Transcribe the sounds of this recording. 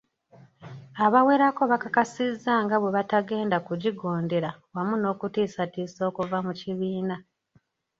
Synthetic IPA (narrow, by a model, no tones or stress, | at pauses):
aβawe̞ɾako̞βakakasizːaŋɡaβwe̞βataɡe̞ːndakuɟiɡo̞ːnde̞ɾawamuno̞ːkutiːsatiːso̞ːkuvamuciβiːna